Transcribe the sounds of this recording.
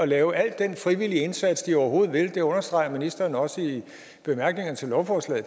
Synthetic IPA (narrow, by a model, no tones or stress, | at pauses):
ɒ̽lɛːʊʔæl̰d̥ːenfʁiʋil̰iəe̝nsæd̥sd̥iɒʊɐɦo̝ːð̞̩ˠʋe̝ld̥e̝ɔ̽nɐsd̥ʁɑ̈ɪɐminisd̥ɐːnɒ̽səi | b̥e̝mæɐɡ̥ne̝ŋɐnət͡sʰe̝lːɒʊfɒslɛ̰ːð̩ˠ